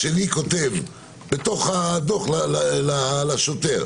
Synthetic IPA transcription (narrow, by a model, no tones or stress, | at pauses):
ʃeliko̞t̪e̞v | bet̪o̞χad̪oχlalalalaʃot̪e̞ʁ